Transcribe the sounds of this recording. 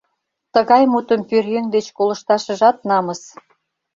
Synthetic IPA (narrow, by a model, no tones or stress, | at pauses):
t̪əɣɑjmut̪ə̆mpyrjøŋd̪et͡ɕkolə̆ʃt̪ɑʃə̆ʒɑt̪̚nɑmə̆s